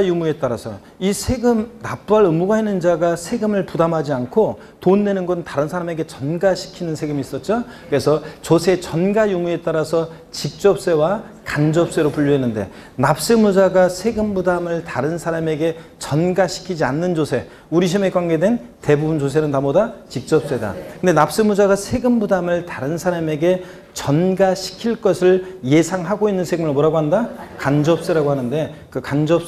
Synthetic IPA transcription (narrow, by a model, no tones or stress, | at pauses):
jumue̞t͈aɾasʰʌ̰ | isʰe̞ɡɯmnap͈uaɾɯmuɡaɦenːɯnd͡ʑaɡasʰe̞ɡɯmɯɭpudamɦad͡ʑiankʰo | tonːwe̞nɯnɡʌntaɾɯnsʰaɾame̞ɡe̞t͡ɕʌnɡaɕʰi̥kʰinɯnsʰe̞ɡɯmiːs͈ʌt̚t͡ɕ͈o | kɯɾe̞sʰʌt͡ɕosʰe̞t͡ɕʌnɡajumue̞t͈aɾasʰʌ | t͡ɕik̚t͡ɕ͈ʌp̚s͈e̞wa | kand͡ʑʌp̚s͈e̞ɾopuʎːuɦenːɯnde̞̰ | nap̚s͈ɯmud͡ʑaɡasʰe̞ɡɯmbudamɯɭtaɾɯnsʰaɾame̞ɡe̞t͡ɕʌnɡaɕʰi̥kʰid͡ʑianːɯnd͡ʑosʰe̞ | uɾiɕʰime̞kwaŋɡe̞dwe̞nte̞bubunt͡ɕos̬ʰe̞nɯntamodat͡ɕik̚t͡ɕ͈ʌp̚s͈e̞da̰kʰɯndenap̚s͈ɯmud͡ʑaɡasʰe̞ɡɯmbudamɯɭtaɾɯnsʰaɾame̞ɡe̞ | t͡ɕʌnɡaɕʰi̥kʰiɭk͈ʌsʰɯɭje̞sʰaŋɦaɡoinːɯnsʰe̞ɡɯmɯɭmoɾaɡoɦandakand͡ʑʌp̚s͈eɾaɡohanɯnde̞kɯkand͡ʑʌp̚s